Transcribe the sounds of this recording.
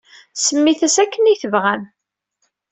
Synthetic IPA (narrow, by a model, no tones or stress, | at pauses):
səmːiθæsækːənijθəvʁæn